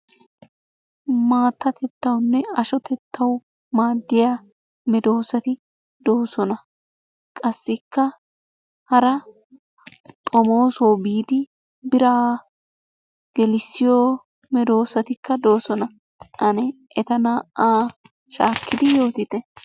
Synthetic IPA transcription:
maːt̪ːɐt̪ʰɛt̪ːɐwnːɛɐʃɔt̪ʰɛt̪ʰːɐw | maːd̪ːɪja | mɛd̪o̞ːsɐt̪ɪ | d̪o̞ːsɔnɐ | kʼɐsːɪkːɐ | hɐɾɐ | t̪ʼɔmo̞ːsoːbiːd̪ɪ | bɪɾaː | ɡ̥ɛlɪsːɪjoː | mɛd̪o̞ːsɐt̪ɪkːɐd̪o̞ːsɔnɐ | ɐnɛʔɛt̪ɐnaːʔaː | ʃaːkʰːɪd̪ɪjo̞ːt̪ɪt̪ɛ

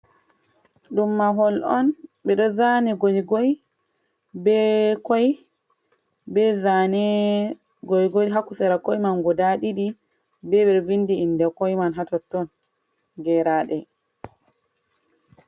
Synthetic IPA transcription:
ɗumːaɦɔlɔnɓɛɗɔzanɛɡojɡɔj | bɛkɔj | bɛzanɛ | ɡɔjɡɔjɦakusɛɾakɔjmanɡɔdaɗiɗi | bɛɓɛɾvinːdiːndɛkɔjmanɦatɔtːɔn | ɡɛɾaɗɛ

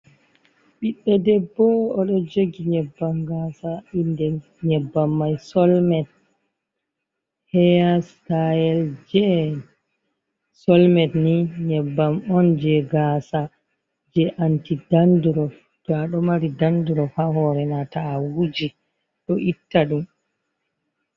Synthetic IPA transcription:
ɓiɗːɛdɛbːɔɔɗɔd͡ʒeɡiɲɛbːamɡasaindɛ | ɲɛbːamːajsɔlmɛt̚ | hɛastajɛld͡ʒɛ | sɔlmɛtniɲɛbːamɔnd͡ʒɛɡaːsa | d͡ʒɛʔantidanduɾɔf | ɡ̥aɗɔmaɾidanduɾɔfahɔɾɛnataːwud͡ʒi | ɗɔʔitːaɗum

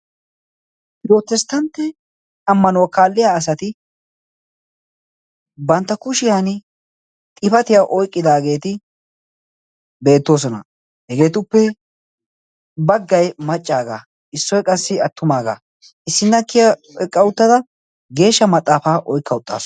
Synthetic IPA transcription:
joːt̪ːɛst̪ːɐnt̪ːɛ | ɐmːɐnɔwkaːlːɪjaːs̬ɐt̪ɪ | bɐnt̪ːɐkʊʃɪjaːn | t̪ʼɪfɐt̪ɪjaʔɔjkʼːɪd̪aːɡe̞ːt̪ɪ | be̞ːt̪ːo̞ːs̬ɔnɐ̰ | hɛɡe̞ːt̪ʊpːɛ | bɐɡːɐjmɐt͡ʃʼːaːɡa̰ | ʔɪsːɔjkʼɐsːɪɐt̪ːʊmaːɡa̰ː | ʔɪsːɪnːɐkːɪjɐɛkʼːɐwʊt̪ːɐd̪ɐ | ɡe̞ːʃːɐmɐt̪ʼːaːfaːʔɔjkʰːɐʊt̪ʼːa̰ːs

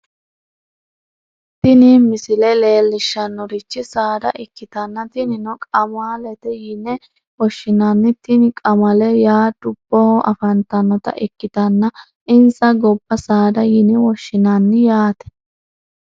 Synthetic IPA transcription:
t̪ɪnimɪsɪlɛle̞ːlːɪʃːɐnːɔɾɪt͡ʃːɪsaːd̪ɐ̰ʔɪkːɪt̪ɐnːɐt̪ɪnɪnɔkʼɐmaːlɛt̪ɛjɪnɛ | wɔʃːɪnanːɪt̪ɪnɪkʼɐmɐlɛjaːd̪̥ʊb̥ːɔhɔʔɐfɐnt̪ɐnːɔt̪ɐ̰ʔɪkːɪt̪ɐnːɐ | ɪnsɐɡɔbːɐsaːd̪ɐjɪnɛwɔʃːɪnɐnːɪjaːt̪ɛ̥

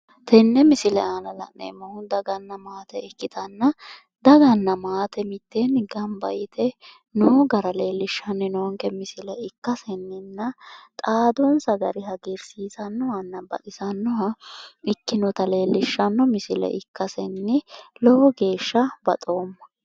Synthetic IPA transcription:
t̪ɛnːɛmɪsɪlɛaːnɐlɐ̰ʔnḛmːɐhʊnd̪ɐɡɐnːɐmaːt̪ɛɛkːɪt̪ɐnːɐ | d̪ɐɡɐnːɐmaːt̪ɛmɪt̪ːɛnɡɐmbɐjɪt̪ʰɛ | nɔɡɐɾɐle̞ːlːɪʃːɐnːɛnɔŋkɛmɪsɪlɛɪkːɐsɛnːɪnːɐt̪ʼaːd̪ɔnsɐɡɐɾɪɦɐɡɛɾsiːsɐnːɔwɐnːɐbɐ̰ʔɪsɐnːɔwɐɪkːɪnɔt̪ɐle̞ːlːɪʃːɐnːɔmɪsɪlɛ̰ʔɪkːɐsɛnːɪlɔɔɡe̞ːʃːɐbɐ̰t̪ʼo̞ːmːɐ̥

